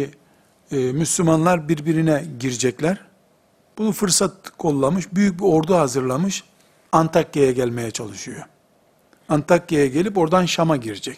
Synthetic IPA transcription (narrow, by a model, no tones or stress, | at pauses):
myslʲymanlˠaɾbiɾbiɾinɛɟiɾid͡ʒɛclʲæɾ | b̥unufɯɾsat̪̚kʰo̞lˠːamɯʃbyjyc̚bio̞ɾd̪uhazɯɾlˠamɯʃ | ant̪ʰakjejɛɟælʲme̞jɛt͡ʃʰalˠɯʃɯjo | ant̪ʰakjejɛɟe̞lʲipo̞ɾd̪anʃamaɟiɾid͡ʒɛc